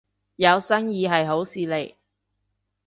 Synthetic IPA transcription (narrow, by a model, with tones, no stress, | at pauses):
jɐ˨˧wsɐ˥ŋjiː˧ɦɐ˨jɦo˨˥wsiː˨˧le˨˩j